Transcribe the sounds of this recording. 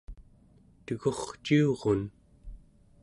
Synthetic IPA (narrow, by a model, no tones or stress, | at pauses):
t̪əɣoχt͡ʃioʁon